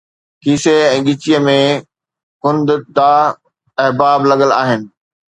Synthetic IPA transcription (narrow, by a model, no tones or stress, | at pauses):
kiːseɛ̃ːɠɪt͡ɕijəmẽ | kʊ̃nd̪d̪aː | ɛɦbaːblɐɠəla̰ːɦɪnɪ̆